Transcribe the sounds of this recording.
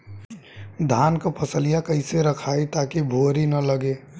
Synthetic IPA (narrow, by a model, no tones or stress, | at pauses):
d̪ʱaːnkopʰəsəlijakəɪseɾəkʰaːit̪akibʱoɾinələɡeː